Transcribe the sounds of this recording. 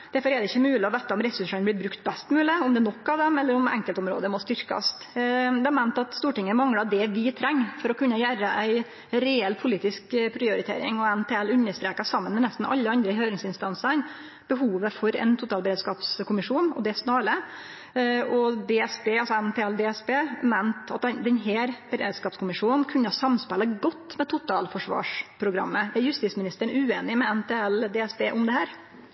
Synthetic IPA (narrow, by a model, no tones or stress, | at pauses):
d̪̥æɾfɔɾɛɖɛɪçːəmʉːlɪɔʋæːt̪ːɑʊmɾɛsʉʂənblɪbɾʉkt̪̚bɛst̪mʉːləʊmd̪ɛnɔkːɑʋd̪ɛmɛlːəɾʊmɛ̰ŋkəlt̪ʊmɾo̰ːd̪əmɔst̪ʏɾkɑ̰st̪d̪ɛɑɾmæɪnt̪ɑt̪st̪uːʈɪŋːəmɑŋɽɑd̪ɛʋɪt̪ʰɾɛŋːfɔɾɔkʰʉnːəjæɾəʔæɪ | ɾɛɛlːpʰʊliːt̪ɪskpʰɾɪʊɾɪt̪ʰḛːɾɪ̰ŋɔænt̪ʰeɛlʉnːəʂt̪ɾeːkɑsɑmːənmɛnæst̪n̩mɛʔɑlːəɑnd̪ɾəhøːɾɪŋsɪnst̪ɑnsən | b̥əɦuːʋəfɔɾɛ̰nt̪ʰʊt̪ɑːlbəɾeːd̪skɑːpskʰʊmɪʂuːnɔ̰d̪ɛsnɑːlə | ɔd̪ɛːɛsbeːɑlsɔɛnt̪ʰeːɛld̪ɛːɛsbeːmænt̪ɑt̪̚d̪ɛnd̪ɛnɦeːɾb̥ɛɾḛːd̪skɑːpskʰʊmɪʂuːnnkʰʉɲːəɑsɑmspɛlːəɡɔt̪ːmɛt̪ʰʊt̪ʰɑːlfɔʂʋɑ̰ːʂpʰɾʊɡɾɑ̰mːəæɾjʉst̪ɪːsmɪnɪst̪əɳʉːeːnɪmɛɛnt̪ʰeːɛld̪ɛɛsbeːʔʊmd̪ɛhæːɾ